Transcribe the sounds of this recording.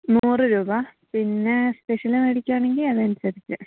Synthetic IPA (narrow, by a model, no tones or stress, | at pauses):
nuːrɨɾuːbɐpinːe̞speʂɐlɐmeɽikʲːaːɳe̞ŋɡilɐðɐnsɐðikʲːṵ